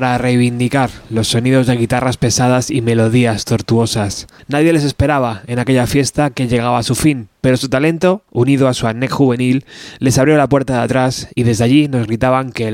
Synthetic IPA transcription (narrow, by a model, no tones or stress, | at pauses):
ɾare̞jβind̪ikaɾlo̞sːo̞niðo̞zðe̞ɣ̞it̪araspe̞saðasime̞lo̞ð̞iast̪o̞ɾt̪uo̞sasnaðje̞le̞s̬e̞spe̞ɾaβ̞ae̞nake̞ʎafje̞st̪ake̞ʎe̞ɣaβaːsufinpe̞ɾo̞sut̪ale̞nt̪o̞unið̞oasuanekxuβe̞nilːe̞saβɾjo̞lapwe̞ɾt̪aðet̪ɾasiðe̞zðeaʎino̞zɣɾit̪aβaŋke